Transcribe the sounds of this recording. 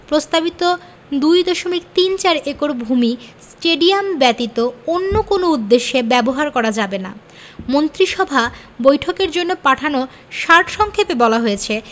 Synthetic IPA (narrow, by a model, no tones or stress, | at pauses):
pɾost̪abit̪o | d̪ujd̪ɔʃomikt̪int͡ɕaɾekoɾbʱumisʈeɖiambɛt̪it̪oonːokonoud̪ːeʃːebɛboɦaɾkɔɾad͡ʑabena̰ | mont̪ɾiʃɔbʱa | bojʈʰokeɾd͡ʑonːopaʈʰano | ʃaɾʈʃɔŋkʰepebɔlaɦojet͡ɕʰe